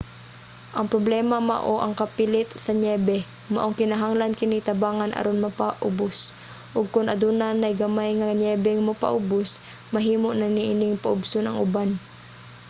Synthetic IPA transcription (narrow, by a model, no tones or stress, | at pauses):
ʔɐŋpɾoblɛːmɐmɐ̰ʔoʔɐŋkɐpilɪt̪sɐɲɛːbɛ | mɐʔoŋkɪnaɦaŋlankɪnɪt̪ɐbaːŋanʔɐ̰ɾʔonmɐpaʔʊbʊs | ʔʊɡ̚kʊnʔɐd̪unanɐjɡɐmajŋaɲɛːbɛŋmɐpa̰ʔʊbʊs | mɐɦiːmoʔnɐniʔɪnɪŋpɐʔʊbsonɐŋʔʊban